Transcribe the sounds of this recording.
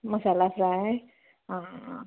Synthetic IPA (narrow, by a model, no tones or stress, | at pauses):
məsalafɾae | a